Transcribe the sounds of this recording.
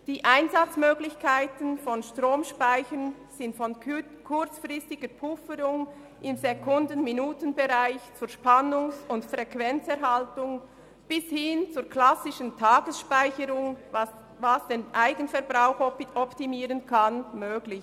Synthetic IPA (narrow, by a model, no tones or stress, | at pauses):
d̥iːʔaɪnzat͡smøːɡlɪçkʰaɪtənfɔnʃtʁoːmʃpaɪçən | z̥ɪntfɔn | kʰʊt͡sfʁɪstɪɡ̥əpʰʊfəɾʊŋ | ʔɪmzɛkʰʊndənminuːtənbɛʁaɪçt͡suːɾʃpanʊŋsʊntfʁɛkvɛnt͡sɛɾɦaltʊŋ | b̥ɪshɪnt͡suːɾkʰlasɪʃəntʰaːɡəsʃpaɪçəɾʊŋ | vasd̥eːnʔaɪɡənfɛɾbʁaʊxɔpɔptimiːɾənkʰanmøːɡlɪç